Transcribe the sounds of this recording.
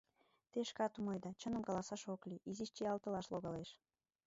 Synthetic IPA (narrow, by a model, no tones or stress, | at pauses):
t̪eʃkɑt̪umɑjd̪ɑt͡ɕənəmkɑlɑsɑʃokliʔiziʃt͡ɕeɑlt̪ə̆lɑʃloɣɑleʃ